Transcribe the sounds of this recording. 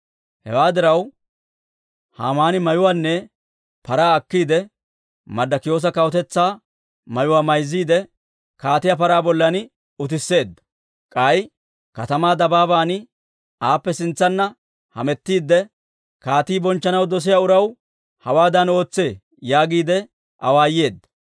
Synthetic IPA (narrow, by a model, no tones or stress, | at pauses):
hɛ̰waːd̪ɪɾɐw | ha̰ːmaːnɪmɐjʊwaːnːɛ | pɐɾaːɐkːiːd̪ɛ | mɐd̪ːɐkɪjo̞ːs̬ɐkɐwɔt̪ɛt͡sːaː | mɐjʊwaːmɐjzːiːd̪ɛ | kaːt̪ɪjaːp̬ɐɾaːbɔlːɐn | ʊt̪̬ɪsːe̞ːd̪ːɐ̥ | kʼɐj | kɐt̪ɐmaːd̪ɐbaːbaːn | aːpːɛsɪnt͡sːɐnːɐ | hɐ̰mɛt̪ːiːd̪ːɛ | kaːt̪iːbɔnt͡ʃːɐnɐwd̪ɔs̬ɪjaːʊɾɐw | hɐwaːd̪ɐno̞ːt͡sːe̞ː | jaːɡiːd̪ɛ | ʔɐwaːje̞ːd̪ːɐ̥